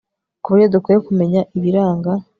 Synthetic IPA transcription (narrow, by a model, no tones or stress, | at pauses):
kuβujodukejokume̞ɲaʔiβiɾaːŋɡa